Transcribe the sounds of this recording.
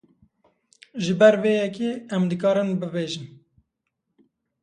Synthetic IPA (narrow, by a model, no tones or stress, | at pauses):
ʒɨbɛɾveːjɛkeɛmd̪ɨk̬ɑːɾɨnbɨbeːʒɨn